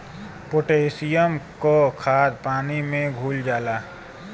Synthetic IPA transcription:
pʊʈeːsijəmkokʰaːd̪paːnimẽɡʱuːld͡ʒaːlaː

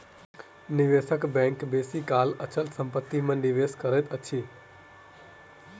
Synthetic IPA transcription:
nɪʋeːsəkbɛ̃ːŋkbeːsikaːlət͡ʃəlsə̃mpət̪ːimãɖɪʋeːskəɾet̪ət͡ʃʰiː

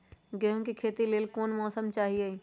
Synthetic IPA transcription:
ɡeɦõkikʰeːt̪ileːlkoːnmɔːsəmt͡ʃaːɦie

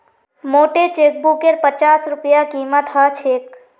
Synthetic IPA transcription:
moːʈet͡ʃeːk̚bukeɾpət͡ʃaːsɾʊpjakiːmət̪ɦət͡ʃʰeːk̚

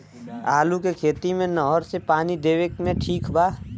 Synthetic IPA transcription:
aːlukekʰeːt̪imẽnɔɦɔɾsepaːnid̪eːʋekmẽʈʰiːkbaː

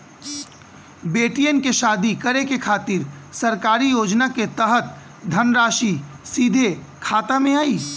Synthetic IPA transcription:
beːʈijənkeʃaːd̪ikəɾekekʰaːt̪ɪɾsɐɾkaːɾijoːd͡ʒnaket̪əɦət̪̚ | d̪ʱənɾaːʃi | siːd̪ʱekʰaːt̪amẽaːiː

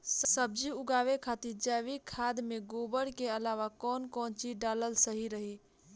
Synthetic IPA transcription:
ssəb̚d͡ʒiʊɡaʋekʰat̪iɾd͡ʒɛʋikʰːad̪meɡobəɽkeəlaʋakɔːnkɔnt͡ʃiɖaləlsəɦiɾəɦi

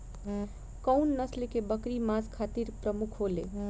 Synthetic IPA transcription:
kəwnːəslekebəkɾimaskʰat̪iɾpɾəmukʰɦolḛ

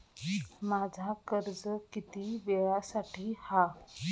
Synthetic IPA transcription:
mad͡zʱakəɾd͡zəkit̪iʋeɭasaʈʰiːha

